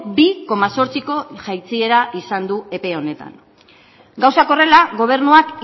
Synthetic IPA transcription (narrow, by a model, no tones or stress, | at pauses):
biko̞maso̞ɾt͡siko̞ʝajt͡sie̞ɾaʔisand̪ue̞pe̞o̞ne̞t̪a̰ŋ | ɡawsako̞re̞laɣo̞β̞e̞ɾnuak